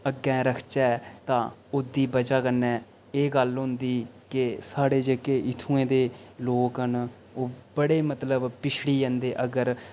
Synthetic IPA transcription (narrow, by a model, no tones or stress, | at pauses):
əɡːɛ̃ːɾəkʰt͡ʃɛːt̪ãːʊd̪iːbəd͡ʒaːkənːɛː | eːɡəlɦʊ̃nd̪iːkɪsaːɽeːd͡ʒekeːʔɪt̪ʰuːẽːd̪eːloːkɦən | oːbəɽeːmət̪ləbpɪt͡ʃʰɽiːd͡ʒɛ̃nd̪eːʔəɡəɾ